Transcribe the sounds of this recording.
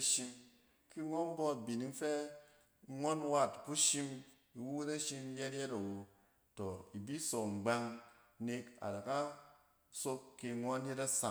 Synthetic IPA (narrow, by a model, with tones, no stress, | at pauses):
ʃi˧m | ki˦ŋʷo˦m˦bɔ˦a˨bi˨ni˨ŋfe˦ | ŋʷɔ˦nwa˦tku˦ʃi˦m | i˨wu˦wu˦ta˦ʃi˦m˦je˦tjɛ˦ta˨wo˨ | to˨i˨bi˦so˨ŋ͡m̩˨ɡ͡ba˧ŋ | ne˧ka̰˨da˨ka˦ | so˦kːe˧ŋʷɔ˦a˦nje˦ta˦sa˨